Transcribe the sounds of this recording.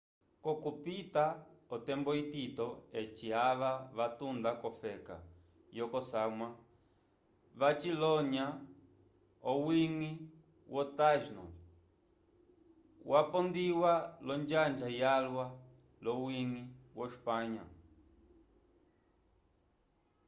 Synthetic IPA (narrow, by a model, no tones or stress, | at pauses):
kɔkupitaɔtɛmbɔititɔet͡ʃiaβaβatund̪akɔfɛka̰ | jɔkɔsamwa | βat͡ʃilɔɲa | ɔwiŋi | wʔɔtaʒnɔ̰ | wʔapɔnd̪iwalɔnd͡ʒand͡ʒajalwa | lɔwiŋiwʔɔʃpaɲa̰